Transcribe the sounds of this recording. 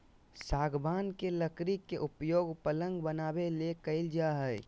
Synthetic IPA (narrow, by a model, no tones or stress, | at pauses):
saːɡbaːnkeləkɾikːeʔʊpjoːɡpələ̃ŋɡbənaːbelekəɪld͡ʒaɦɛj